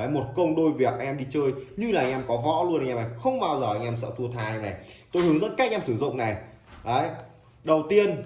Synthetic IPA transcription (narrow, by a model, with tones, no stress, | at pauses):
ə˨˦jmo˨˩t̚kə˧wŋ͡mɗo˧jvi˨˩ək̚ʔa˧ɛ˧mɗi˧t͡ɕəː˧jɲɨ˧laː˨˩ʔa˧ŋʔɛ˧mkɔ˨˦vɔ̰˧˥lu˧ənʔa˧ŋʔɛ˧mːa˨˩xə˧wŋ͡mɓaː˧wzəː˨˩ʔa˧jŋ̟ʔɛ˧msə̰ː˧˨˩t̪ʰu˧ət̪ʰaː˧jna˨˩t̪o˧jhɨ˨˦ŋzəː˧˥ka˦˥˧ŋʔɛ˧msɨ˧˩zʊ̰˧˨ŋ͡mna˨˩jʔə˨˦j | ɗə˨˩wt̪i˧ən